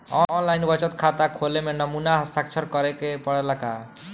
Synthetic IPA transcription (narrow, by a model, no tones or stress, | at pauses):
ɔɔnlajnbət͡ʃət̪kʰat̪akʰolemenəmunaɦəst̪ʰakt͡ʃʰəɾkʌɾɛkepəɽɛlaka̰